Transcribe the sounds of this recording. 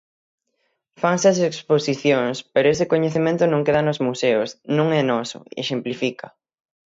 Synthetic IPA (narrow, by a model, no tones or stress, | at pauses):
faŋseɐs̬eksposiθjoŋspeɾoesɪkoɲeθemẽnt̪ʊnõŋkeðanozmuseosnõŋɛnɔsʊ̰ḛʃemplifikɐ